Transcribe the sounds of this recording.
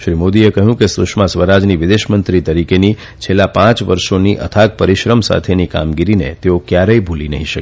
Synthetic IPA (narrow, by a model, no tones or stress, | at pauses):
ʃɾimod̪iekəɦjũkesʊʃmãsʋəɾad͡ʒniʋɪd̪eʃmənt̪ɾit̪əɾikeni | t͡ʃʰelːapãt͡ʃʋəɾʃoniʔə̰t̪ʰak̚pəɾiʃɾəmsa̰t̪ʰenika̰mɡiɾinḛt̪eokjaɾəibʱulinə̰ɦĩʃək